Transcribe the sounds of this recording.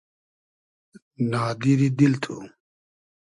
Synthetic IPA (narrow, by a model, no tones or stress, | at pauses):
naːd̪iɾid̪ilt̪ʰu